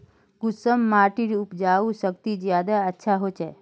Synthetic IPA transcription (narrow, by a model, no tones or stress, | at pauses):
ɡʊsəmːaːɾʈiɾʊpd͡ʒaːusəkt̪id͡ʒjaːd̪aətːʃʰaɦot͡ʃʰɛ